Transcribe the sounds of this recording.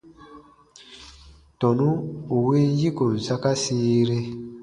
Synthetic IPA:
tɔ˨nu˦u˨we˦n˦ji˦ko˨n̩˨sa˦ka˦siː˦ɾe˦

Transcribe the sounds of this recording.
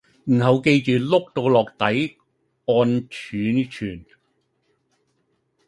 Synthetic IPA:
m̩˨˩hɐ˨wke˧jt͡ʃyː˨lʊ˥k̚t̪o˧wlɔː˨k̚t̪ɐ˨˥j | ɔː˧nt͡ʃʰyː˨˥nt͡ʃʰyː˨˩n

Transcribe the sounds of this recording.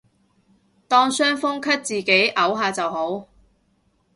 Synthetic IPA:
t̪ɔː˥ŋsœː˥ŋfʊ˥ŋkʰɐ˥t̚t͡siː˨˩ke˨˥jʔɐ˨˥wɦaː˨˧t͡sɐ˨wɦo˨˥w

